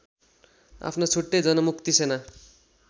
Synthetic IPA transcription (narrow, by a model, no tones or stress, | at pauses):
a̰pʰnot͡sʰuʈːejd͡zʌnʌmukt̪isena